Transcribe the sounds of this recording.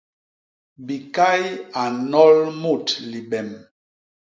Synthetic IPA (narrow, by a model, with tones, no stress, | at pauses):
bi˨ka˦ja˨nɔ˦lmo˦˨tli˨ɓɛ˨m